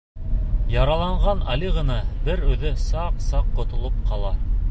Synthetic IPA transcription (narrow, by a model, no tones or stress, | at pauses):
jɑɾɑlˠɑɴʁɑnɑliʁɤ̆nɑbɘɾʉðɘsɑqsɑqːŏt̪ŏlˠop̚qʰɑlˠɑ